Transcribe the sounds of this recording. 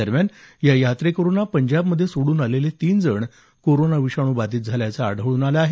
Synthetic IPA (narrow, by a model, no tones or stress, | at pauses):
əɾmjanjajat̪ɾekəɾonapəɲd͡ʑabməd̪ʱːjesoɽuːnalelet̪iːnd͡zəɳ | koɾonaʋiɕaɽ̃uːbad̪iːt̪̚d͡zʱaljat͡saa̰ɽ̤ʱəɭuːnalaaɦe